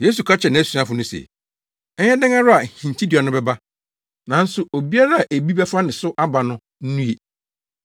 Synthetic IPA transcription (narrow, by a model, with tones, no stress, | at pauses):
je˦su˨kʰa˦t͡ɕʰɛ˨nɪ̃˨˦æ˦su˨˦ã˦fʊ˨nʊ̃˦sḛ˨ | ɛ˦ɲɛ˦dɪ̃˦ŋã˦ɾʊ˦a˨hĩ˨ɲ˨t͡ɕʰi˦dɪ˨ɔ˨nʊ̃˦bɛ˦ba˦ | nã˨˦n̩˦sʊ˨o˨bi˦a˦ɾa˦a˨ʔe˨bi˦bɛ˦fa˦nɪ̃˨sʊ˦ʔa˦ba˨nʊ̃˦ | n̩˦nũ˦e˨